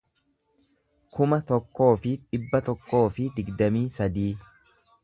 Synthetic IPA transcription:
kʊmɐt̪ɔkːo̞ːfɪᶑ̪ɪbːɐt̪ɔkːo̞ːfɪd̪ɪɡd̪ɐmiːsɐd̪iː

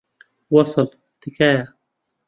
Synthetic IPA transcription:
wɑsˤɑl | t̪ɪkaː

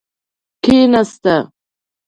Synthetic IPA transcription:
kʰenast̪a

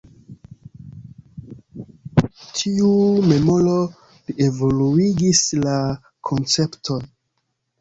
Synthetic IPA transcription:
tʰiume̞molo̞ | lie̞voluiɡisla | kʰo̞nt͡se̞ptʰo̞n

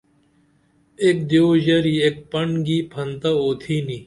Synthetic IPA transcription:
eːk̚d̪joːʒɐɾiːeːk̚pɐɳɡiːpʰɐnt̪aoːt̪ʰiːniː

